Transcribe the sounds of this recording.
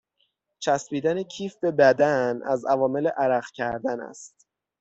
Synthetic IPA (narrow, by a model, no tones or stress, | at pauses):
t͡ʃʰæspiːd̪ænecʰiːfbe̞bæd̪ænæ̰zævɒːme̞leʔæɾæχcʰæɾd̪ænæ̰st̪̚